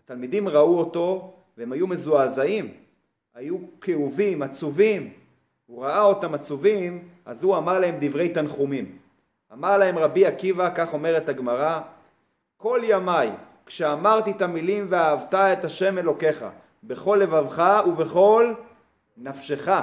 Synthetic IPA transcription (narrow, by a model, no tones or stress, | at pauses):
at̪almid̪imʁauo̞to̞ | veemajume̞zuazaim | ajukeuvimat͡suvim | uʁaao̞t̪amat͡suvima̰zuamaʁlahe̞md̪ivʁe̞jt̪anχumim | amaʁlahe̞mʁabiakivakaχo̞me̞ʁet̪haɡmaʁa | ko̞ljamaj | kʃeamaʁt̪it̪amilimveaːvt̪ae̞t̪aʃe̞me̞lo̞ke̞χa̰ | be̞χo̞lːe̞vavχauve̞χo̞l | nafʃe̞χa